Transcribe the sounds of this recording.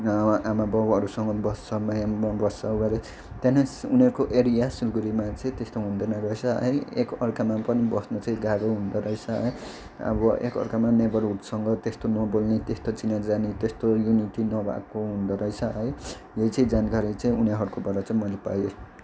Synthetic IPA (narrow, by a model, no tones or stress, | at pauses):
amabʌbʌɾusʌŋɡʌbʌsʌmajabʌsːʌbaɾe | t̪janʌsuniʌɾkoʔeɾijasulɡuɾimat͡sʌĩt̪est̪oɦund̪ʌnaɡʌjsʰʌʌ̰eekʌrkamapʌnibʌsnot͡saĩɡaɡoɦund̪ʌɾʌjt͡sʰʌɦʌ̰j | ʌ̰bʌʔḛkʌ̰rkamanebʌluʈsʌŋɡʌt̪est̪onʌbolnet̪est̪ot͡sinad͡zanet̪est̪ojuniʈinʌbʱa̰koɦund̪ʌɾʌjt͡sʰʌɦʌj | jejt͡saĩd͡zanɡaɾit͡saĩuneɦʌɾukobʌɾʌt͡saĩmʌlepa̰jo